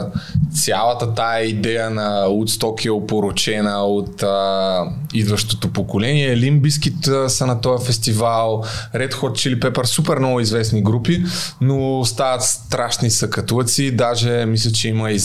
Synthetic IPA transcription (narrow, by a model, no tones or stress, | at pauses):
t̪sʲjalˠət̪ət̪aɛid̪ɛjənɐot̪st̪ɔkiɛopoɾot͡ʃɛnəot̪ə | id̪vɐʃt̪ot̪opokolɛniɛlimbiskit̪sɐnɐt̪ɔjɐfɛst̪ivalˠɾɛt̪xɔt̪̚t͡ʃilipɛpəɾsupɛɾnɔɡʊizvɛsniɡɾupinost̪avɐt̪st̪ɾaʃnisɐkɐt̪ut̪sid̪aʒɛmislʲɛt͡ʃɛiməi